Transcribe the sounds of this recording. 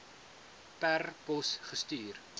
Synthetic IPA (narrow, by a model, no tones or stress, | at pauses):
pærpɔsχəstyːr